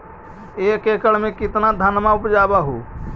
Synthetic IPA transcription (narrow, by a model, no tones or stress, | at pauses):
ekekəɽmẽkɪt̪nad̪ʱənmaupd͡ʒabaɦo